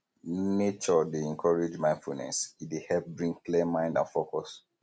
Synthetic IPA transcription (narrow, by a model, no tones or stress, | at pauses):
net͡ʃɔdeɛ̃nkʰɔɹed͡ʒmãɪ̃nfṵnɛ̰sidehɛlp̚bɹĩŋklimãɪ̃ndã̰nfokɔs